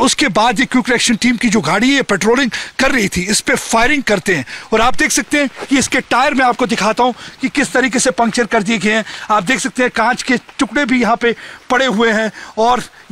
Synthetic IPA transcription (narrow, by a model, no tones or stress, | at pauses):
ʊskebaːd̪jekjũːkɐɾɛːkʃənʈiːmkid͡ʒoːɡʱaːɽiẽjapɛːʈɾoːlɪ̃ŋɡkɐɾːɐɦit̪ʰiɪspefaːɪɾɪ̃ŋɡ̚kɐɾt̪eɦɛ̃ɔːɾaːp̚d̪eːkʰsɐk̚t̪eɦɛ̃kiɪskeʈaːɪəɾmɛ̃aːp̚kod̪ɪkʰaːt̪aɦũkikɪst̪ɐɾiːkesepɐ̃ŋkt͡ʃəɾkɐɾd̪ieɡɐeɛ̃aːp̚d̪eːkʰsɐk̚t̪eɦɛ̃kãːt͡ʃket͡ʃʊkɽebʱijɐɦãpepɐɽeɦʊeɦɛ̃ːɔːɾ